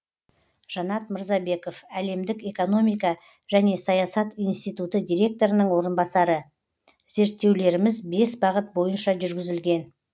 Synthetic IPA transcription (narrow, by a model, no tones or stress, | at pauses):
ʒ̥ɑnɑt̪məɾzɑbe̞ko̞fæle̞md̪ɪke̞ko̞no̞mijkɑ | ʒæne̞sɑjɑsɑt̪ijnst̪ijt̪ut̪əd̪ʲijɾʲe̞k̚t̪o̞ɾənəɴwo̞ɾənbɑsɑɾə | ze̞ɾt̪ːe̞wle̞ɾɪmɪzbe̞sbɑʁət̪̚bo̞jənʃɑʒʏɾɡʲɪzɪlɡʲe̞n